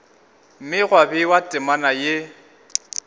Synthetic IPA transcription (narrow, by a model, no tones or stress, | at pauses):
m̩mɪɣwabɪwatʼɪmanaje